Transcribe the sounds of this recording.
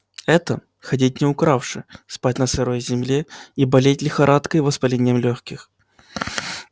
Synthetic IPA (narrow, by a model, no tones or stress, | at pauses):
ɛt̪ə | xɐdʲit̚ʲnʲɪʊkɾafʂɨ̰spatʲnəsɨɾojzʲɪmlʲeibɐlʲetʲlʲɪxɐɾʔat̪kəjvəspɐlʲenʲɪjəmlʲoxkʲɪx